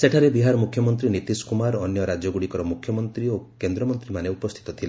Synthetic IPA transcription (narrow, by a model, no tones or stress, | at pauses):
seʈʰaɾebiɦaɾɔmukʰjɔmɔnt̪ɾinit̪iskumaɾɔnjɔɾad͡ʒɔɡuɽikɔɾɔmukʰjɔmɔnt̪ɾiokend̪ɾɔmɔnt̪ɾimaneupɔst̪ʰi̥t̪ɔt̪ʰila